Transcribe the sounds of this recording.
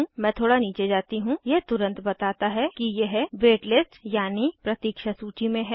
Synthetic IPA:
mɛ̃t̪ʰoːɽaniːt͡ʃed͡ʒaːt̪iɦũjeɦt̪ʊɾə̃nt̪bɐt̪aːt̪aɦɛkijeɦʋeːʈlɪsʈjaːnipɾɐt̪iːkʃasuːt͡ʃimẽɦɛː

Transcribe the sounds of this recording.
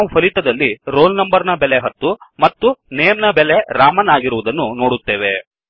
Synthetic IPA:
aʋupʰɐlit̪ɐd̪ɐlːiɾoːlnɐmbɐɾnɐbɛleɦɐt̪ːumɐt̪ːuneːmnɐbɛleɾaːmɐnaːɡiɾuʋud̪ɐnːuno̞ːɽut̪ːeːʋe

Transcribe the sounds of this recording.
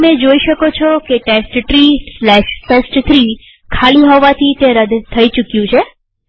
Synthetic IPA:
med͡ʒoiʃəkot͡ʃʰɔkeʈesʈʈɾislɛʃtesʈt̪ʰɾi | kʰaliɦɔʋat̪ʰit̪eɾəd̪ʱt̪ʰəit͡ʃukjũt͡ʃʰe

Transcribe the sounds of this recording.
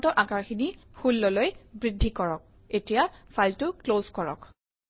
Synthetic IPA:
tɔɹʔakaɹxini | xulːɔlojbɹidʱːikɔɹɔk̚ | etijafʰaltʊklozkɔɹɔ̰k

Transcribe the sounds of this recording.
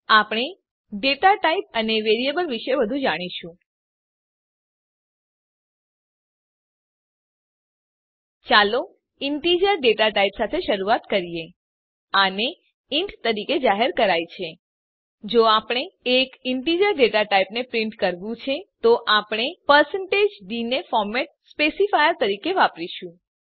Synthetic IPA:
apɽ̃e | ɖeʈaʈaip̚əneʋeɾiebəlʋiʃebəd̪ʱũd͡ʒaɽ̃iʃũ | t͡ʃalo | ɪɳʈid͡ʒəɾɖeʈaʈaipsat̪ʰeʃəɾuat̪kəɾije | əne | ɪɳʈt̪əɾiked͡ʒaɦeɾkəɾajt͡ʃʰe | d͡ʒoapɳ̃eekɪɳʈid͡ʒəɾɖeʈaʈaipnepɾɪɳʈkəɾʋũt͡ʃʰet̪oʔapɳ̃epəɾsəɳʈed͡ʒɖinefɔɾmeʈ̚spesifajəɾt̪əɾikeʋapɾiʃũ

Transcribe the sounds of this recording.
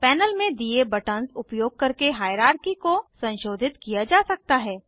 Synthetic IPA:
pɛːnəlmẽd̪iebɐʈənsʊpjoːɡ̚kɐɾkeɦaːjɾaːɾkikosɐ̃nʃoːd̪ʱɪt̪kijad͡ʒaːsɐk̚t̪aɦɛː

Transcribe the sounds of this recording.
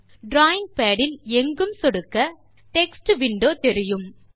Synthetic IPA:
ɖɾaːjɪŋɡ̚peːɽɪlɛŋɡɯmsɔɽɯkːɐ | ʈɛksʈʋɪɳɖoːt̪ɛɾɪjɯm

